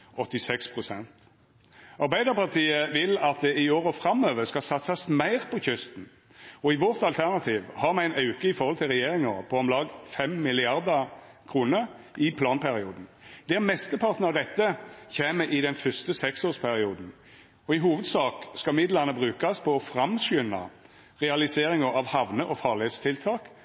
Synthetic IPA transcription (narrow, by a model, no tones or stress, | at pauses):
ɔt̪ːɪsɛkspʰʁʊsɛnt̪ | ɑɾbæɪd̪əʁpɑʁt̪ʰiːəʋɪlɑt̪̚d̪ɛɪoːɾəfɾɑmøːʋəɾskɑsɑt̪sɑsmæɪʁpʰɔçʏst̪n̩ | ɔɪʋɔʁt̪ɑlt̪ʰæʁnɑt̪ʰiːʋhɑɾmæɪnɑʉkəɪfɔɾʁhɔlt̪ʰɪlʁɛjeːɾɪŋəʁpʰɔɔmlɑːɡfɛmmɪlɪɑɾd̪ɑ | kʰʁuːnəɾ | ɪpʰlɑːnpʰæɾɪuːd̪n̩ | d̪ɛʁmɛst̪əpʰɑʁt̪nəɑʋd̪ɛt̪ːəçeːməʔɪd̪ɛnfœst̪əsɛksoːspʰæɾɪuːd̪n̩ | ɔɪɦuːʋəd̪sɑːkskɑmɪd̪lɑʁnəbʁʉːkɑspʰɔɔfɾɑmsʏnːɑ̰ | ʁɛɑlɪseːɾɪŋəɑʋhɑʋnəʔɔfɑːʁlɪheːt̪st̪ʰɪlt̪ʰɑːk